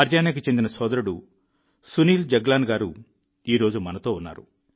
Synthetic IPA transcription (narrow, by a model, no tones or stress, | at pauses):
ɐɾd͡ʒaːnɐk̬it͡ʃend̪inɐsɔːd̪ɐɾuɽu | suniːld͡ʒɐɡlaːnɡaːɾu | iːɾo̞ːd͡ʒumɐnɐt̪o̞ːunːa̰ːɾṵ